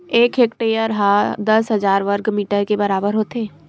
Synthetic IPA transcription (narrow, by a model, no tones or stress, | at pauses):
eːkeːkʈeːjəɾɦad̪əsɦəd͡ʒaːɾʋəɾɡmiːʈəɾkebəɾaːbəɾɦoːt̪eː